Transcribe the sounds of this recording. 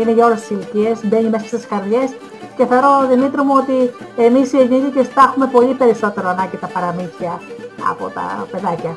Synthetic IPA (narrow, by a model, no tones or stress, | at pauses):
ine̞ʝɐo̞lest̪isilicie̞sbe̞ɲime̞sɐst̪isxɐɾðʝe̞s | ceθeoɾo̞ðimit̪ɾomuo̞t̪ie̞misieɡiðicest̪ɐxume̞po̞lipe̞ɾiso̞t̪e̞ɾoɐnɐɲɟit̪ɐpɐɾɐmiθçiɐɐ̰po̞̰t̪ɐ̰pe̞ðɐcɐ